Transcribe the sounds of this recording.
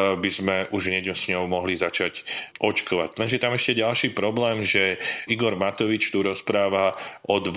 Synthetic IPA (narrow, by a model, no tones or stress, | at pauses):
bizmɛʔuʒɲɛɟɔsɲɔʊmɔɦlizat͡ʃacʔɔt͡ʃkɔʋa̰clɛnʒɛjɛt̪amɛʃcɛɟalʃiːpɾɔblɛːmʒɛiɡɔɾmat̪ɔʋit͡ʃt̪uɾɔspɾaːʋaʔɔd̪ʋ